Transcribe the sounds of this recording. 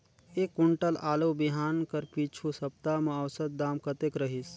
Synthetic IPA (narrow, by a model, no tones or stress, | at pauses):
eːkːʊɳʈəlaːloːbiɦaːnkəɾpiːt͡ʃʰusɐp̚t̪aːmɐ̃ːwsət̪̚d̪aːmkət̪eːkɾəɦis